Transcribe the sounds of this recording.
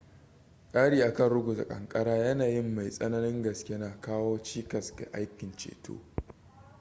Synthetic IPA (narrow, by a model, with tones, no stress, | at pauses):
kʼaː˦ɽiː˦ʔa˨kɐ˦˨nɽʊ˦ɡʷu˨ta̰˨kʼɐ˨ŋkʼɐ˦ɽaː˦jɐ˦naː˨jɪ˦˨mːa˨jsʼɐ˦nɐ˦nɪ˦ŋɡɐ˨skʲe˦naː˨kaː˦woː˦t͡ʃiː˦kɐ˨ska̰˨ʔa˦jkʲɪ˨nt͡ʃḛː˨to̰ː˦